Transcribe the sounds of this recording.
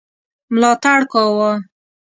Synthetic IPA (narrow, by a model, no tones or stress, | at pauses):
mlɑt̪aɽkɑwa